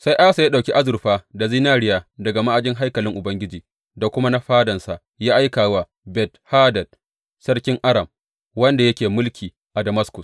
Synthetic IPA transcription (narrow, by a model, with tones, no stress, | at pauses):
sa˦jʔaː˦sa˨ja˦ɗa˨wkʲi˦ʔa˦zʊ˨rɸaː˦da˨ziː˦naː˦˨ɽɪ˦jaː˨dɐ˨ɡa˨ma˦ʔa˨d͡ʒɪ˦ŋɦa˦jkɐ˨lɪ˦ŋʔʊ˨bɐ˦ŋɡʲɪ˦d͡ʒiː˨ | da˨kʷʊ˦ma˦na˦ɸaː˦dɐ˨nsa˨ʔ | jaː˦ʔa˦jkaː˨wa˦ | bɛ˨thaː˦dɐ˨d̚ | sɐ˦ɽkʲɪ˦ŋʔa˦ɾɐ˨m | wɐ˦nda˨jɐ˦kʲeː˨mʊ˦lkʲiː˨ | ʔa˨dɐ˨ma˦skʊ˨s